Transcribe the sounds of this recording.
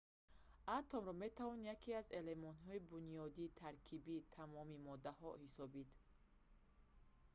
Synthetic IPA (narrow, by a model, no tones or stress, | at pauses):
at̪ʰɔmɾɔme̞t̪ʰavɔnjakʰiaze̞le̞mɔnt̪ɦɔibunijɔd̪it̪ʰaɾkʰibit̪ʰamɔmimɔd̪ahɔhisɔbid̪